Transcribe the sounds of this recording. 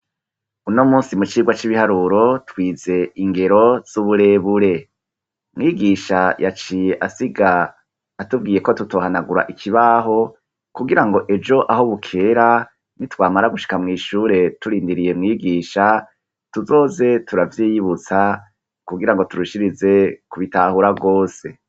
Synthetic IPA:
unomuːsimut͡ʃiːɡwat͡ʃiβihaɾuːɾo̞twiːze̞iŋɡe̞ɾo̞z̥uβuɾe̞ːβuɾe̞ | mŋiːɡiːʃajat͡ʃije̞ʔasiɡaː | tubɡiːje̞ko̞tuto̞ːhanaɡuɾa̰ʔikʰiβaːɦo̞ | kuɡiɾaŋɡo̞ʔe̞d͡ʒo̞ʔahoβukʰe̞ːɾa | nitwaːmaɾaɡuʃi̥kamŋiːʃuːɾe̞tuɾiːndiɾije̞mŋiːɡiːʃa | tuzo̞ːze̞tuɾavjiːjiβut͡sa | kuɡiɾaŋɡo̞tuɾuʃiɾize̞kuβitahuɾaɡo̞ːse̞

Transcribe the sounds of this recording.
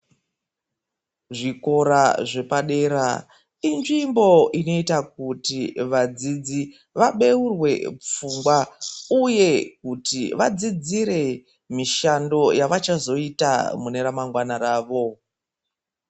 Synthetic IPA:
ʐiko̞ɾaʐe̞paɗe̞ɾa̰ | inʐimbo̞ʔino̞itak̚utiʋad͡zid͡zi | ʋaɓe̞urwe̞̰p͡fumɡwauje̞kutiʋad͡zid͡ziɾe̞ | miʃando̞jaʋat͡ʃazo̞ita̰mune̞ɾamaŋɡwanaɾaːʋo̞

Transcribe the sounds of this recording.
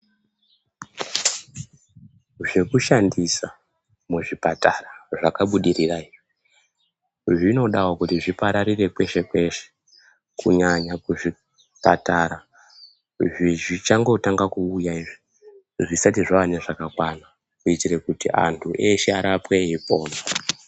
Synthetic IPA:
ʐe̞kuʃandisa | muʐipataraʐakaɓuɗiriraii | ʐino̞ɗawokutiʐipaɾaɾire̞kwe̞ʃe̞kwe̞ʃe̥ | kuɲaɲakuʐi | pa̰taɾa | ʐiʐit͡ʃaŋɡo̞taŋɡakuːjaiʐi | ʐisatiʐaʋane̞ʐakakwana | kuitire̞kutḭʔa̰ntʰuʔe̞ʃe̞aɾapwe̞ipo̞ːna

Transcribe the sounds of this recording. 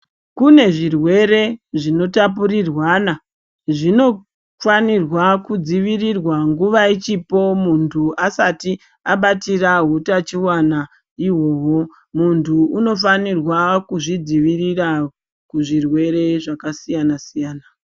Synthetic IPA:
kune̞ʐirwe̞ɾe̞ʐino̞tap̬uɾirwana | ʐino̞ | fanirwakud͡ziʋirirwaŋɡuʋait͡ʃipo̞muntʰuasati | aɓatiraɦutat͡ʃiwana | iɦo̞ːɦo̞ | muntʰuuno̞f̬anirwakuʐid͡ziʋirira | kuʐirwe̞ɾe̞ʐakasijanasijaːna

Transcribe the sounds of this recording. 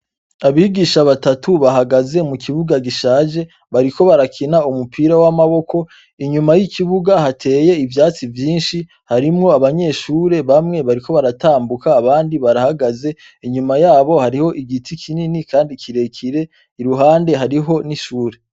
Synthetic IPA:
aβiːɡiːʃaβatatʰuβaɦaɡaze̞mukʰiβuɡaɡiʃaːʒe̞ | βaɾiko̞βaɾakʰinaumupʰiːɾawamaβo̞ko̞ | iɲumajikʰiβuɡahatʰe̞ːje̞ivjaːt͡sivjiːnʃi | haɾimŋo̞aβaɲe̞ʃuːɾe̞βamŋe̞βaɾiko̞βaɾataːmbukaːβaːndiβaɾahaɡaze̞ | iɲumajaːβo̞haɾiho̞ʔiɡitʰikʰininikaːndikiɾe̞kʰiɾe̞ | iɾuɦaːnde̞ɦaɾiɦo̞niʃuːɾe̞

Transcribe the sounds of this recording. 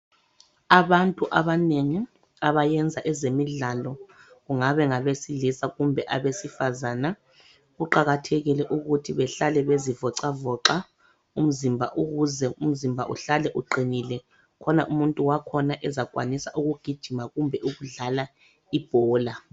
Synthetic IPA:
aβantʼuʔaβaneŋi | aβajɛnd͡zʱaʔɛzemiɮalɔ | ɣuŋaβɛŋaβesilisaɣumbʱɛʔaβesifazana | ɣuǃaɣatʰeɣilɛʔuɣutʰiβɛɬalɛβezivɔǀavɔǀa | um̩zimbʱaʔuɣuzɛum̩zimbʱaʔṵɬalɛʔuǃinilɛ | kʰɔnaʔumuntʼuwakʰɔnaʔɛzakʼwa̰nisaʔuɣuɡ̥ʱid̥ʒ̥ʱimaɣumbʱɛʔuɣuɮala | ib̥ʱɔːla

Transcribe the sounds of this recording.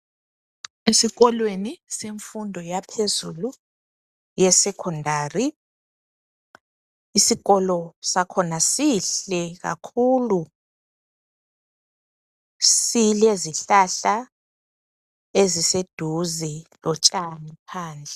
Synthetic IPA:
esiɣɔlweniseɱfundʱɔjapʰezulu | jɛsɛkʰɔndʱaːri | isiɣɔlɔsakʰɔnasiɬɛɣa̰kʰulu | silieziɬaɬa | ezised̥ʱuzilɔt͡ʃʼanipʰaːnd͡ɮʱɛ

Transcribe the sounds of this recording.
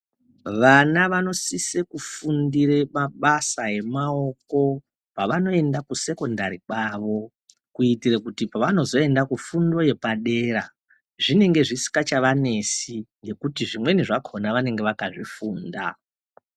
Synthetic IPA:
ʋanaʋano̞sisekufundiɾemaɓasae̞mao̞ko̞ | paʋano̞e̞ndakuse̞ko̞ndaɾikwaʋo̞ | kuitirekutipaʋano̞zo̞e̞ndakufundo̞je̞paɗe̞ːɾa | ʐine̞ŋɡe̞ʐisi̥kat͡ʃaʋane̞siŋɡe̞kutiʐimwe̞niʐakʰonaʋane̞ŋɡe̞ʋakaʐifuːnda̰

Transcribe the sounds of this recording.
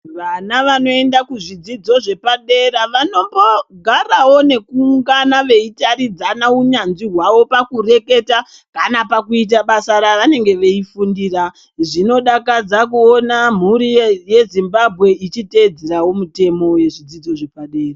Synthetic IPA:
ʋanaʋano̞e̞ndakuʐid͡zid͡zo̞ʐe̞paɗe̞ːɾaʋano̞mbo̞ɡʱarawo̞ne̞kuŋɡanaʋe̞itaɾid͡zanauɲanziɦwawo̞pakure̞ke̞ta | kanapakuit̬aɓasaɾaʋane̞ŋɡe̞ʋe̞ifundiːra | ʐino̞ɗakad͡zak̬uonam̤uɾije̞zimbabʱɣe̞it͡ʃite̞d͡zeɾawo̞mute̞mo̞je̞ʐid͡zid͡zo̞ʐe̞paɗe̞ːra

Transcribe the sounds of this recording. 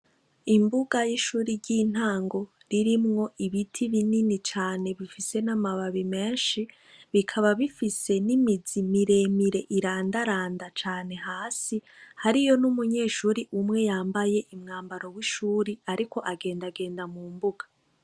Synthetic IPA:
imbuɡajiʃuːɾiɾɟiːn̥aːŋɡo̞ | ɾiɾimŋo̞ʔiβitʰiβininit͡ʃaːne̞βifise̞namaβaβime̞ːnʃi | βikʰaβaβifise̞nimizimiɾe̞miɾe̞ʔiɾaːndaɾaːndat͡ʃaːne̞ɦaːsihaɾijo̞numuɲe̞ːʃuːɾiʔumŋe̞jaːmbaje̞ʔimŋaːmbaɾo̞wiʃuːɾiaɾiko̞ʔaɡe̞ːndaɡe̞ːndamuːmbuɡ̥ḁ

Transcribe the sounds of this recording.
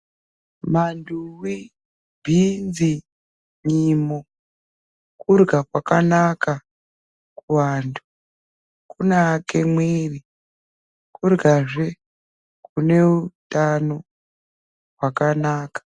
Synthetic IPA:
manduwi | bʱinzi | ɲimo | kurɡakwakanaka | kuwaːndu | kunaːkemweːri | kurɡaʐe | kune̞utano | ɦwakanaːkḁ

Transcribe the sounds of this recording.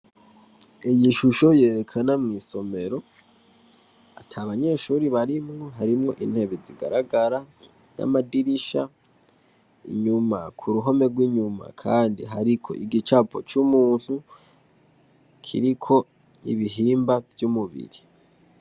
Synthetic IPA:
ijiʃuʃo̞je̞ːɾekʰanamŋiːso̞me̞ɾo̞ | atʰaβaɲe̞ʃuɾiβaɾimŋo̞ɦaɾimŋo̞ʔḭn̥he̞βeziɡa̰ɾaɡaɾa | na̰madiɾiʃa | ḭɲuma̰kʰuɾuɦo̞me̞ɡwiɲuma̰kʰaːndḭɦaɾikʰo̞̰ʔiɡit͡ʃapʰo̞̰t͡ʃumuːn̥hu | kʰḭɾikʰo̞ | iβiɦiːmbavjumuβḭɾi

